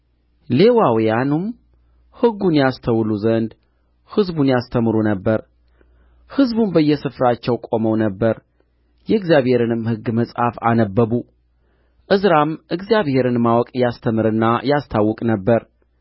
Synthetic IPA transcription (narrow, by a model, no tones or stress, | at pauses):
le̞wawjanum | hɨɡːunjast̪ʰəwluzənd̪ | hɨzbunjast̪ʰəmɨɾunəbːəɾ | hɨzbunbəjːɛsɨfɾat͡ʃːɛwkʼo̞məwnəbːəɾ | jɛɨɡzjaβhe̞ɾɨnɨmhɨɡːməsʼhafa̰nəbːəbu | ʔɨzɾamʔɨɡzijaβhe̞ɾɨnmawɔkʼjast̪ʰəmɨɾɨnːajast̪ʰawːɔkʼnəbːəɾ